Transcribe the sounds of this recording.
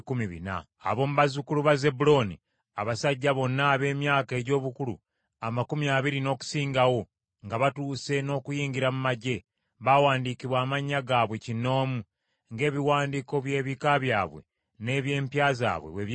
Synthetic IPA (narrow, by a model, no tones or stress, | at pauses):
kumiβḭna̰ːβo̞muβazukuluβaze̞bulo̞ni | aβasaɟːaβo̞nːaːβe̞ːmjaːke̞ːɟo̞ːβukulṵ | amakumjaːβiɾino̞ːku̥siːŋɡawo̞ | ŋɡaβatuːse̞no̞ːkujiːɲɡiɾamumaɟe̞ | βawaːndikiβwaːmaɲːaɡaːβwe̞cinːo̞ːmu | ŋɡe̞ːβiwaːndiko̞βje̞ːβikaβjaːβwe̞̰ | ne̞ːβje̞ːmpjaːza̰ːβwḛweβ